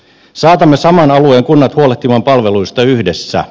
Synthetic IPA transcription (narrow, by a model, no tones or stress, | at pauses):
sɑːt̪ɑmːe̞sɑmɑnɑlueːŋkunːɑt̪huoleht̪imɑmpɑlʋe̞lujst̪ɑyhdesːæ̰